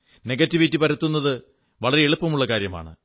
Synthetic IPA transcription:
ne̞ɡɐtːiʋitːipɐɾɐt̪ːunːɐðɨ | ʋɐɭɐɾeeɭupːɐmuɭːɐkaːɾjɐma̰ːɳɨ̰

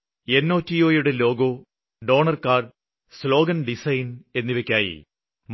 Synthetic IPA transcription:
enːo̞ːtːio̞ːjuɽelo̞ːɡo̞ː | ɖo̞ːɳɐrkaːr | slo̞ːɡɐnɖisɐjne̞nːiʋekʲːaːjḭ | m

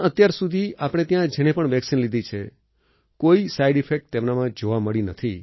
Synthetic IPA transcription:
ət̪jaɾsud̪ʱiapɽ̃et̪jãd͡ʒɛɽ̃epəɳʋɛksinlid̪ʱit͡ʃʰe | koisaiɖifʰek̚ʈ̚t̪emnamãd͡ʒoʋaməɭinət̪ʰi

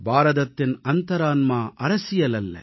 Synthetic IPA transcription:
bʱaːɾɐd̪ɐt̪ːinɐnt̪ɐɾaːnmaːʔɐɾɐsijɐlɐlːɐ̰

